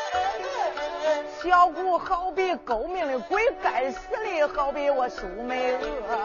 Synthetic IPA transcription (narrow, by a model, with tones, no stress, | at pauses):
ɕjɑ˥ʊku˥˩xɑ˥˩ʊp̬i˥˩ko˧˥ʊmi˧˩ŋli˧˩kwe˥ɪka˨˩ɪsɹ̩˥˧li˥˩xɑ˥ʊpi˥˧˥wɔ˧˩ʂu˨˩˥me˥ɪ